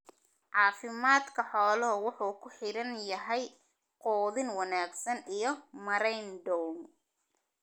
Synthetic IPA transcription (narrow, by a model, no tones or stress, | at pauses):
ʕɑːfɪmaːd̪kʰɐħɔːlɔɦwʊħuːkʰʊħɪɾɐnjɐɦɛj | qɔːðɪnwɑnaːɡsɐnijɞmɐɾɛjnd̪ɔwn